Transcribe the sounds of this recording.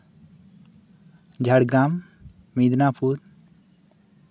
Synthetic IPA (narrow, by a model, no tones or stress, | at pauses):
d͡ʒʱaɽɡɾamː | id̪napʰuɾ